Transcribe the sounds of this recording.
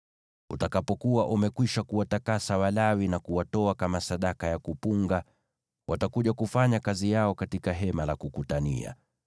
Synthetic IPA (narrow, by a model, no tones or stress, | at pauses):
ṵtakapɔkuwaʔumɛkwiʃakuwatakasawalawinakuwatɔakamasaɗakajakupuŋɡa | wʔatakuʄakufaɲakazijaɔkatikaɦɛmalakukutanḭa̰